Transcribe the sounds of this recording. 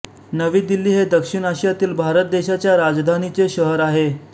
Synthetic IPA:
nəʋiːd̪ilːiːɦed̪əkʂiɳaɕjat̪iːlbʱaɾət̪̚d̪eɕat͡ɕjaɾad͡zd̪ʱanit͡seɕəɦəɾaɦe

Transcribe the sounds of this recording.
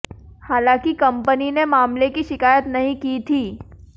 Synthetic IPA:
haːlãːkikɐ̃mpəninemaːmlekiʃɪkaːjət̪nɐɦĩkiːt̪ʰiː

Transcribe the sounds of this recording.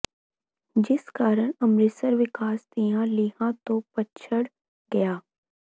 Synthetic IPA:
d͡ʒɪskaːɾəɽ̃ɐmɾɪsəɾʋɪkaːst̪ijãliːɦãt̪opɐtːʃʰəɽ | ɡɐjaː

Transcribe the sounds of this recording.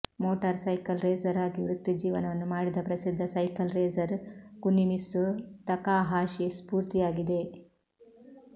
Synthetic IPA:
moːʈɐɾsɐjkɐlɾeːzɐɾaːɡiʋɾukt̪ːid͡ʒiːʋɐnɐʋɐnːumaːɽid̪ɐpɾɐsid̪ʱːɐsɐjkɐlɾeːzɐɾkunːinisut̪ɐkaːɦaːʃispuːɾt̪ijaːɡid̪e̞

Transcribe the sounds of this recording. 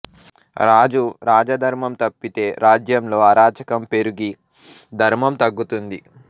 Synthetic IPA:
ɾaːd͡ʒuɾaːd͡ʒɐd̪ʱɐɾmɐmt̪ɐpːit̪e̞ːɾaːd͡ʒjɐmlo̞ːɐɾaːt͡ʃɐkɐmpe̞ɾuɡi | d̪ʱɐɾmɐmt̪ɐɡːut̪und̪i

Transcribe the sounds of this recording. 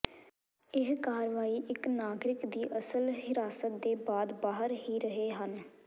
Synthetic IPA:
ɪɦkaːɾʋaːiːʔɪknaːɡɾɪkd̪iːʔəsəlɦɪɾaːsət̪̚d̪eːbaːd̪baːɦəɾɦiːɾəɦeːɦən

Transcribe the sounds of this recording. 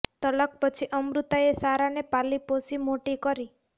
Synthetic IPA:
t̪ələk̚pət͡ʃʰiʔəmɾut̪aesaɾanepaliposimoʈikəɾi

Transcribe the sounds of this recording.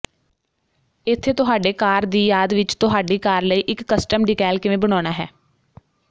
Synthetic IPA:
ɪt̪ʰːeːt̪ʊɦaːɖeːkaːɾd̪iːjaːd̪ʋɪt͡ʃt̪ʊɦaːɖiːkaːɾləiːʔɪkːəsʈəmɖɪkɛːlkɪʋẽːbəɽ̃aːñaːɦɛː

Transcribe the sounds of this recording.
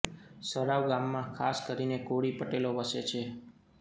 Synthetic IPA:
səɽaʋɡamːãkʰaskəɾinekoɽipəʈeloʋəset͡ʃʰe

